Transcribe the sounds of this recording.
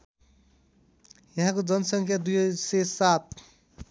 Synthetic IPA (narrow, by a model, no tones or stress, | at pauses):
jʌɦãkod͡ʒʌnsʌŋkʰjad̪ujsesat̪̚